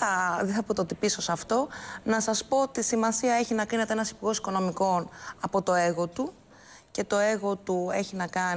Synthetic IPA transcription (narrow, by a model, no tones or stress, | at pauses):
ɐðeθɐpot̪ot̪ipiso̞sɐft̪o̞nɐsɐspo̞ot̪isimɐsiɐe̞çinɐkɾine̞t̪eenɐsi̥puɾɣo̞si̥ko̞no̞miko̞nɐpo̞t̪o̞eɣo̞t̪u | ce̞t̪o̞eɣo̞t̪ue̞çinɐkɐn